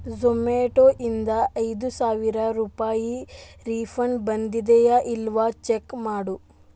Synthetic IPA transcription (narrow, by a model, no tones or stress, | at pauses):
zomeːʈoʔind̪ɐɐjd̪usaːʋiɾɐɾuːpaːjiɾiːfʰɐɳbɐnd̪id̪ɛjɐʔilʋɐt͡ʃekmaːɽu